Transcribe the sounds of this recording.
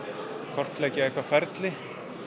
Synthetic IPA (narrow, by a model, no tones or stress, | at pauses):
kʰɔr̥t̪lɛːcɪɛhkvafɛɾt̪lɪ